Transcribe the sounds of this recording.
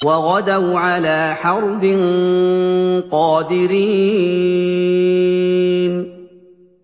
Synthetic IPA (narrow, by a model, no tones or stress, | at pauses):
wɑɣɑd̪awʕalaːħɑɾˤbɪn | qɑːd̪ɪɾiː | n